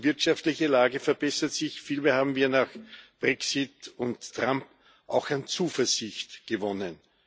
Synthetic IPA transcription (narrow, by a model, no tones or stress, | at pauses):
vɪɐtʃaftlɪçəlaːɡəfɛɐbɛsɐtsɪçfiːlmeːɐhaːbm̩viːɐnaːxb̥ʁɛksɪtʊntʰːʁ̥amp | ʔaʊxant͡suːfɛɐzɪçtɡ̥əvɔnən